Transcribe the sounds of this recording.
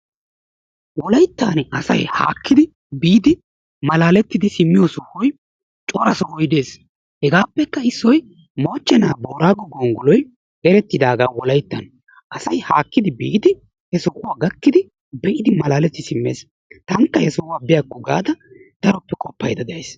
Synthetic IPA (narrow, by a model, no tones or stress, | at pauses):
wɔlɐjt̪ːaːnɐsɐjha̰ːkːɪd̪ɪ | biːd̪ɪ | mɐlaːlɛt̪ːɪd̪ɪsɪmːɪjɔsʊhːɔj | t͡ʃʼɔːɾɐsɔhɔjd̪e̞ːs | hɛɡaːpːɛkːɐɪsːɔj | mo̞ːt͡ʃːɛnaːboːɾaːɡɔɡoːŋɡʊlɔj | ʔɛɾɛt̪ːɪd̪aːɡaːwɔlɐjt̪ːɐ̰n | ʔɐsɐjhaːkːɪd̪ɪbiːd̪ɪ | hɛsʊkʊwaːɡɐkːɪd̪ɪ | bɛʔɪd̪ɪmɐlaːlɛt̪ːɪsɪmːeːs | t̪ɐŋkːɐhɛsʊkʊwaːbɪjaɡʊɡa̰ːd̪ɐd̪̥ɐɾɔpːɛkʼɔpːɐjd̪ɐd̪ɐeːs